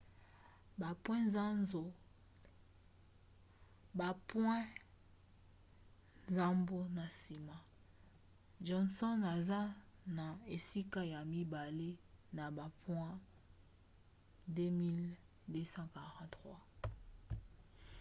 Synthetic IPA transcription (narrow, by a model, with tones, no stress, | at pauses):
ba˨pwɛ̃˦nza˦nzo˨ | ba˨pwɛ̃˦ | nza˦mbo˦na˨si˨ma˨ | ʒɔ˨nsɔ˦na˨za˦na˨e˨si˦ka˦ja˨mi˦ba˨le˦na˨ba˨pwɛ̃˦ | de˦mi˦l | de˦sɑ̃˦ka˨ʁɑ̃˦tʁwa˦